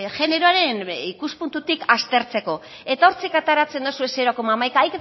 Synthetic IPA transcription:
ʝe̞ne̞ɾoaɾe̞nikuspunt̪ut̪ikast̪e̞ɾt͡se̞ko̞ | e̞t̪ao̞ɾt͡sikat̪aɾat͡se̞nd̪osue̞seɾokomamajkaːjke

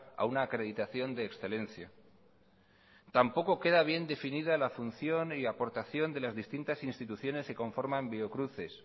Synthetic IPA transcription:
a̰unaːkɾe̞ðit̪aθjo̞nd̪e̞ːksθe̞lẽ̞nθja | t̪ampo̞ko̞ke̞ðaβ̞je̞nd̪e̞finiðalafunθjo̞niapo̞ɾt̪aθjo̞nd̪e̞lazðist̪int̪asinst̪it̪uθjo̞ne̞ske̞kõ̞ɱfo̞ɾmãmbio̞kɾuθe̞s

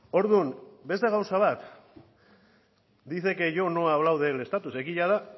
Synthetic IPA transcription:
o̞ɾðunbe̞st̪e̞ɣ̞awsaβ̞at̪ | d̪iθe̞keʝo̞no̞aːβ̞lawðele̞st̪at̪use̞ɣiʎaða

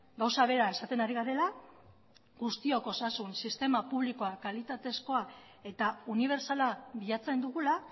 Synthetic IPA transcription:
ɡawsaβ̞e̞ɾae̞sat̪e̞naɾiɣaɾe̞la | ɡust̪io̞ko̞sasunsist̪e̞mapuβ̞liko̞akalit̪at̪e̞sko̞a | e̞t̪auniβ̞e̞ɾsalaβiʎat͡se̞nd̪uɣula

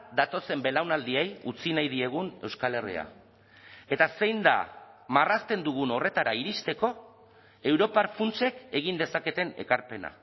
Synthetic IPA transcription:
d̪at̪o̞se̞mbe̞lawnald̪iejut͡sinajðie̞ɣ̞une̞wskale̞rḭa̰ | e̞t̪ase̞jnd̪a̰marast̪e̞nd̪uɣ̞uno̞re̞t̪aɾaiɾist̪e̞ko̞ | e̞wɾo̞paɾfunt͡se̞ke̞ɣind̪e̞sake̞t̪e̞ne̞̰kaɾpe̞na̰

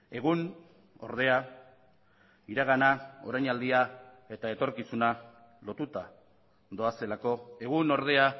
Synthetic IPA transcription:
e̞ɣ̞un | o̞̰ɾð̞e̞a | iɾaɣanao̞ɾajɲald̪ia | e̞t̪ae̞t̪o̞ɾkisuna | lo̞t̪ut̪a | d̪o̞ase̞lako̞e̞ɣ̞uno̞ɾð̞e̞a

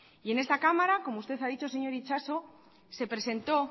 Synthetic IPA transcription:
ie̞ne̞st̪akamaɾakomo̞ust̪e̞θaðit͡ʃo̞se̞ɲo̞ɾit͡ʃaso̞ | se̞pɾe̞se̞nt̪o̞

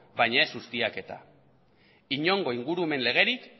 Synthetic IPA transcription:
bajɲae̞zɣust̪iake̞t̪a̰ | iɲo̞ŋɡo̞iŋɡuɾume̞nle̞ɣ̞e̞ɾik

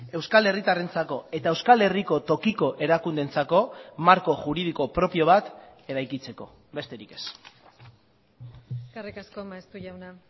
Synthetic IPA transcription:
e̞wskale̞rit̪are̞nt͡sako̞e̞t̪ae̞wskale̞riko̞t̪o̞kiko̞ʔe̞ɾakund̪e̞nt͡sako̞maɾko̞ʝuɾið̞iko̞pɾo̞pio̞β̞at̪e̞ɾajkit͡se̞ko̞̰ | be̞st̪e̞ɾike̞s | karekaskoemaest̪uʝawna

